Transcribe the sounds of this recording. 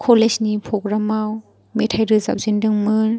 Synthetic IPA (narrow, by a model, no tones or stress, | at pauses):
kʰɔlesnipʰɔkɾamaw | metʰajɾɯza̰p̚zindɯŋmɯn